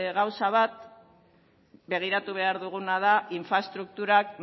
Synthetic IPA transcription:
ɣawsaβat̪̚ | be̞ɣ̞iɾat̪uβ̞e̞aɾðuɣ̞unað̞aʔiɱfɾaest̪ɾuk̚t̪uɾak

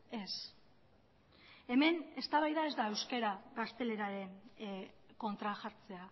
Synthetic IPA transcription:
e̞s | e̞me̞ne̞st̪aβajðae̞zd̪aewske̞ɾaɣast̪e̞le̞ɾaɾe̞n | ko̞nt̪ɾaʝaɾt͡se̞a

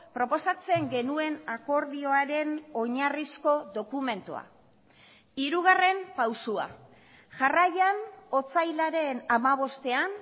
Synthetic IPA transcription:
pɾo̞po̞sat͡se̞ŋɡe̞nue̞nako̞ɾðio̞aɾe̞no̞ɲarisko̞ðo̞kume̞nt̪ua̰ | iɾuɣ̞are̞mpawsua̰ | ʝarajano̞t͡sajlaɾe̞namaβ̞o̞st̪e̞an

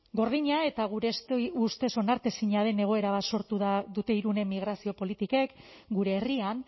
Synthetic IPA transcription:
ɡo̞ɾðiɲae̞t̪aɣ̞uɾe̞st̪ust̪e̞so̞naɾt̪e̞siɲað̞e̞ne̞ɣ̞o̞e̞ɾaβaso̞ɾt̪uðaðut̪e̞iɾune̞mːiɣ̞ɾasio̞po̞lit̪ike̞k | ɡuɾe̞ːrian

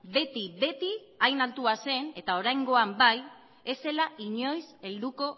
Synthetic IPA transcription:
be̞t̪iβe̞t̪i | ajnalt̪uase̞ne̞t̪ao̞ɾajŋɡo̞ambaj | e̞se̞laiɲo̞jse̞ld̪uko̞

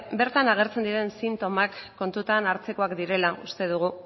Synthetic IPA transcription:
be̞ɾt̪anaɣ̞e̞ɾt͡se̞nd̪iɾe̞nsint̪o̞makːo̞nt̪ut̪anaɾt͡se̞ko̞akd̪iɾe̞laust̪e̞ð̞uɣ̞u

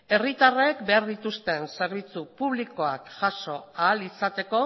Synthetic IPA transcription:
e̞rit̪arekbe̞aɾðit̪ust̪e̞nse̞ɾβ̞it͡supuβliko̞akʝaso̞aːlisat̪e̞ko̞

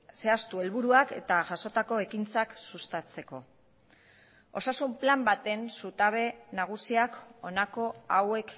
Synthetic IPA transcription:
se̞ast̪ue̞lβuɾuake̞t̪aʝaso̞t̪ako̞e̞kint͡saksust̪at͡se̞ko̞̰ | o̞sasumplambat̪e̞nsut̪aβe̞naɣ̞usiako̞nako̞awe̞k

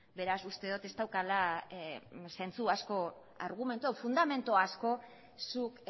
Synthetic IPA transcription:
be̞ɾasust̪e̞ðot̪e̞st̪awkala | se̞nt͡suasko̞ | aɾɣume̞nt̪uafund̪ame̞nt̪uasko̞ | suk

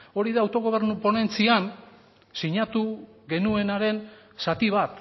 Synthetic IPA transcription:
o̞ɾiðaːwt̪o̞ɣ̞o̞β̞e̞ɾnupo̞ne̞nt͡sian | siɲat̪u | ɣe̞nue̞naɾe̞n | sat̪iβat̪

